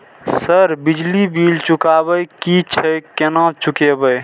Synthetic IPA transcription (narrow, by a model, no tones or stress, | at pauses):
səɾbɪd͡ʒlibiːlt͡ʃʊkaːbəjkit͡ʃʰəkenãt͡ʃʊkebəj